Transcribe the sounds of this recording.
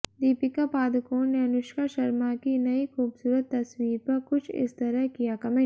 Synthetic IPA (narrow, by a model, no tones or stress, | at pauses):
d̪iːpɪkapaːd̪əkoːnneɐnʊʃkaʃɐɾmakinɐixuːbsuːɾət̪ːɐswiːɾpɐɾkʊt͡ʃʰɪ̰st̪ɐɾəɦkijakɐmẽː